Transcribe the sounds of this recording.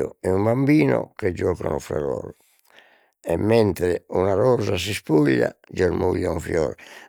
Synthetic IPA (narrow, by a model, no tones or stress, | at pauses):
oɛumbambiːno̰ked͡ʒːɔːka̰nufɛ̰rɔːɾ | ɛmːɛnt̪ɾɛunaɾɔzas̬ispuʎːa̰d͡ʒeɾmuʎːauɱfjɔːɾ